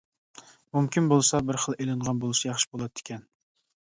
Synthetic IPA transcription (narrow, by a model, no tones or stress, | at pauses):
mumkʲʰinbolˠsɑbɪɾχəlˠʔelɨɴʁɑnbolˠɨsɑjɑχʃɪ̥bolˠɑd̪ːɪ̥kʲʰɛn